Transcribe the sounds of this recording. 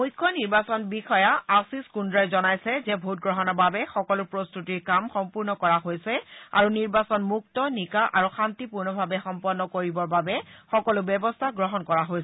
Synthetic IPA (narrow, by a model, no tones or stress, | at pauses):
mujkʰːɔniɹbasɔnbixɔjaasiskundɹajzɔnajsɛzɛbʱut̚ɡɹɔɦɔnɔbabɛxɔkɔlʊɹpɹost̪utiɹkamxɔmpuɹnɔkɔɹaɦojsɛa̰ɹuniɹbasɔnmuk̚tɔnikaʔaɹuxantipuɹnɔbʱabɛxɔmpɔnːɔkoɹibɔɹbabɛxɔkɔlʊbɛbɔstʰaɡɹɔɦɔnkɔɹaɦojsɛ